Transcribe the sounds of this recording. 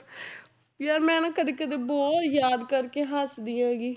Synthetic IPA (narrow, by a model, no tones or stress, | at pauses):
jaːɾmɛ̃ːnãːkəd̪eːkəd̪eːbɔːt̪jaːd̪kəɾkeːɦəsd̪iːãːɡiː